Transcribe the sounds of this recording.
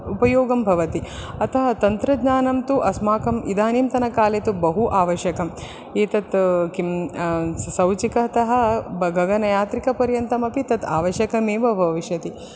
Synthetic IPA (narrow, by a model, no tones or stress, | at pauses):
upɐjoːɡɐmbʱɐʋɐt̪iɐt̪ʰɐɦɐt̪ɐnt̪ɾɐd̪ɲaːnɐmt̪uʔɐsmaːkɐmḭd̪aːnimt̪ɐnɐkaːlet̪ubɐɦuʔaːʋɐʃjɐkɐm | eːt̪ɐt̪kim | sɐwt͡ʃikɐɐt̪ɐɦɐ̆bʱɐɡʱɐɡɐnɐjaːt̪ɾikɐpɐɾjɐnt̪ɐmɐpit̪ɐt̪aːʋɐʃjɐkɐmeːʋɐbʱɐʋiʃjɐt̪i